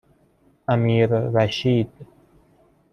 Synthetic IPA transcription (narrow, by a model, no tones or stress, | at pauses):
æmiːɾɾæʃiːd̪̥